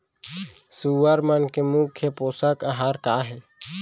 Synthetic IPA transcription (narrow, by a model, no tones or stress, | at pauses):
suːʋəɾmənkemukʰːjepoːsəkəɦaːɾkaːɦɛː